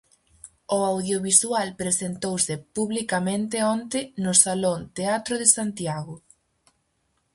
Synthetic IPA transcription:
ʊawðjoβiswalpɾesent̪owsɪpuβlikamẽnt̪ɪɔnt̪ɪnʊsalont̪eat̪ɾʊðɪsant̪jaɣʊ

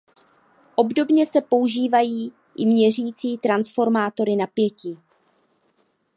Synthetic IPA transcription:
ʔo̞bdo̞bɲɛsɛpo̞uʒiːvajiː | ʔɪmɲɛr̝iːt͡siːt̪ɾansfo̞ɾmaːt̪o̞ɾɪnapjɛciː

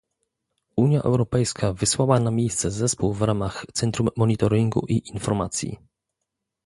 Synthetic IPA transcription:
uɲjaʔɛ̰wɾɔpɛjskʰavɘswawanamʲejst̪sɛzɛspuwvɾamaxt̪sɛnt̪ɾumːɔɲit̪ɔɾiŋɡṵʔiʔinfɔɾmat̪sʲjḭ

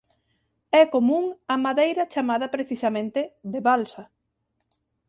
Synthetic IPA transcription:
ɛkomũŋɐmaðejɾɐt͡ʃamaðɐpɾeθisɐmẽnt̪eðeβalsɐ

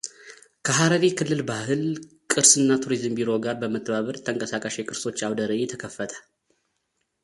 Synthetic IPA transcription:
kʰəɦaɾəɾekʰɨlːɨlbahɨl | kʼɨɾsɨnːat̪ʰuɾizɨmbiɾo̞ɡaɾbəmət̪ʼːəβaβəɾt̪ʰəŋkʼəsakʼəʃekʼɨɾsot͡ʃːawd̪əɾəɛt̪ʰəkʰəfːət̪ʰə̥l

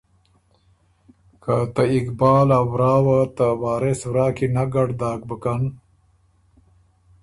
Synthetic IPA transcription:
kat̪aikbaːlawɾaːwat̪awaːɾeswɾaːkinaɡaɽd̪aːk̚bəkan

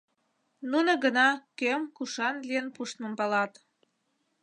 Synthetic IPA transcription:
nunoɡənɑkømkuʃɑnlijənpuʃt̪mə̆mpɑlɑt̪

